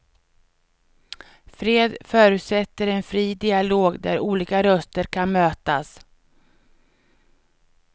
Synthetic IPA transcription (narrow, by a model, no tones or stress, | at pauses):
fɾeːd̪fœːɾʉ̟ːt̪sɛt̪ːəɾɛnfɾiːd̪ɪaloːɡd̪æ̰ɾuːliːkaɾœst̪əɾkʰanmøːt̪as